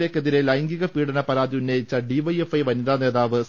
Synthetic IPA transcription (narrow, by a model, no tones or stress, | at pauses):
leːkːeðiɾelɐjŋɡiɣɐpiːɽɐnɐpɐɾaːðiunːɐjit͡ɕːɐɖiʋɐje̞fɐjʋɐniðaːne̞ːðaːʋɨs